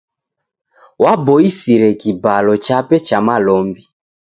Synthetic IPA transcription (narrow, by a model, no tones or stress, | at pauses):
wabɔisiɾɛkibalɔt͡ʃapɛt͡ʃamalɔmbi